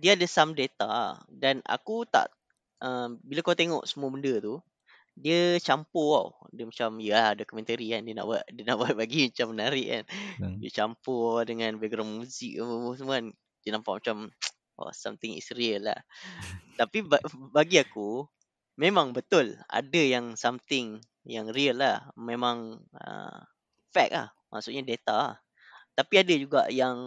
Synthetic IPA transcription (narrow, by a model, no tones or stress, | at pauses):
diəadəsamdet̪a̰dana̰kut̪a̰ʔ | ʔəmbilakawt̪eŋɔ̰ʔsəmuəbəndət̪u | diət͡ʃampoa̰wdəmat͡ʃamjəahdokumɛ̃nt̪əɾiandiəna̰ʔbaʔdiənaʔbaʔ̚laɡimat͡ʃamːənaɾɪʔa̰ndiət͡ʃampoadəŋãnbeɡɾamuzɪk̚asəmuan | dənampaʔ̚mat͡ʃam | ʔɔ̰sa̰mt̪ɪŋɪ̰sɾiəlːa̰h | t̪apibabaɡiaku | memãŋbət̪ʊla̰dəjaŋsamt̪ɪŋ | jaŋriəlːahmemãŋə̰ | fɛk̚la̰h | mʔa̰ʔsuʔɲadet̪aah | t̪apiadəd͡ʒuɡa̰ʔjaŋ